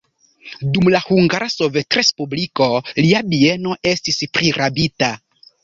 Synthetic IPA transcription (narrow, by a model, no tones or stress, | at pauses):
dumlahuŋɡaɾaso̞vetɾe̞spubliko̞liabie̞no̞ʔe̞stispɾʔiɾʔabita